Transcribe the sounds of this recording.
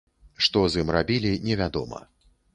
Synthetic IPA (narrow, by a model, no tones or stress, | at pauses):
ʂt̪ɔzɨmrabʲilʲinʲɛvʲad̪ɔmɐ̰